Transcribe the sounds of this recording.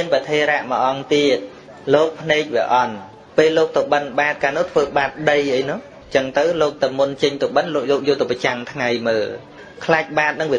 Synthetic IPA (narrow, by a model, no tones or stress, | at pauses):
ənpət̪ʰeːɾaʔməʔɑŋt̪iət̪̚ | loːk̚pʰneːk̚ʋiəʔɑn | peːlːoːk̚t̪owɓənɓaːt̪̚kaːnʊ̆əht̪ʰʋəːɓaːt̪̚ɗəjʔəjnʊ̆h | t͡ɕəŋt̪ɨwloːk̚t̪ɨwmunt͡ɕəɲt̪owɓənloːk̚jɔːk̚joːlt̪ɨwpat͡ɕaŋt̪ʰŋajməːl | kʰlaːk̚ɓaːt̪̚nɨŋʋiə